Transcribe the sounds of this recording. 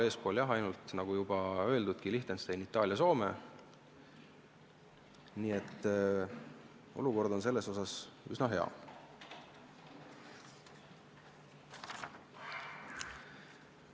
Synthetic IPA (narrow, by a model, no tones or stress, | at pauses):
e̞ːspo̞ːljɑɦɑjnult̪nɑɡ̥ujub̥ɑø̞e̞ld̪ud̪̚kiliht̪enst̪ejnit̪ˑːɑːljɑso̞ːme̞̰ | niːe̞t̪ː | o̞̰luko̞rd̪o̞ns̬e̞lːe̞so̞sɑsysnɑɦe̞ɑ̰